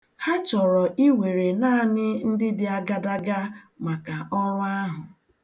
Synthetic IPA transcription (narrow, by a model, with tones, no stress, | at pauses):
ha˦t͡ʃɔ˨ɾɔ˨ʔi˦we˨ɾe˨na˦˨nɪ˦n̩˦dɪ˦dɪ˨a˦ɡa˦da˦ɡa˦ | ma˨ka˨ɔ˦ɾʊ˦a˦ɦʊ˨